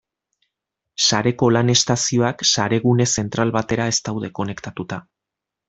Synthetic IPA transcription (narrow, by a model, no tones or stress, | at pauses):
saɾe̞ko̞lane̞st̪asio̞aksaɾe̞ɣune̞se̞nt̪ɾalβat̪e̞ɾae̞st̪awðe̞ko̞ne̞kt̪at̪ut̪a